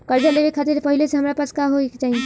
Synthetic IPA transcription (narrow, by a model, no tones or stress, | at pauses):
kɐɾd͡ʒaleʋekʰat̪ɪɾpɐɦɪleseɦɐmɾapɐskaɦoekt͡ʃaːɦie